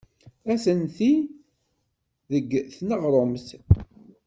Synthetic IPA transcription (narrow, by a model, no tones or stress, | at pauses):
æsənθi | ðəɡːθnəʁɾˤomθ